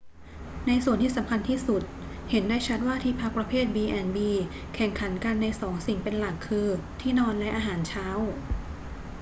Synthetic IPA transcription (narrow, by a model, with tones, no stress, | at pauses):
na˧jsu˨˩ənt̪ʰiː˥˩sa˩˦mkʰa˧nt̪ʰiː˥˩su˨˩t̪̚ | he˩˦ndaː˥˩jt͡ɕʰa˦˥t̪̚waː˥˩t̪ʰiː˧˥˩pʰa˦˥k̚pɾa˧pʰeː˥˩t̪̚biː˧ʔɛ˧˩nbiː˧ | kʰɛ˨˩ŋkʰa˩˦nka˧nːa˧jsɔː˩˦ŋsi˨˩ŋpe˧nla˨˩kʰːɯː˧t̪ʰiː˥˩nɔː˧nlɛ˦˥ʔaː˧ɦaː˩˦nt͡ɕʰaː˦˥w